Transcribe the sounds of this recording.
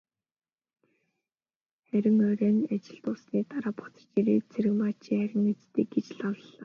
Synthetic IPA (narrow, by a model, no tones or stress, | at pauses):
χæɾʲɪ̆ŋœɾæːnat͡ɕɪ̆ɬt̪ʊːsniːt̪aɾaːpɔ̥t͡sɞ̥̆rt͡ɕiɾeːt͡sʰeɾɘ̆ɣmaːt͡ɕʰiːχæɾʲɪ̆ŋet͡st̪iːk̚ɡet͡ɕɮawɮːaː